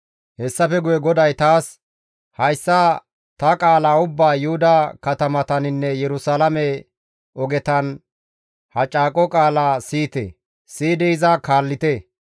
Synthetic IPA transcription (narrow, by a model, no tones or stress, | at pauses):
hɛsːɐfɛɡʊjɛɡɔd̪ɐjt̪aːs | hɐjsːa | t̪ɐkʼaːlaːʊbːaːjʊhʊd̪ɐkɐt̪ɐmɐt̪ɐnɪnːɛjɛɾʊsalɐmɛ | ɔɡɛt̪ɐn | hɐt͡ʃʼaːkʼɔkʼaːlaːsiːt̪ɛ̰ː | siːd̪ɛɪzɐkaːlːɪt̪ɛ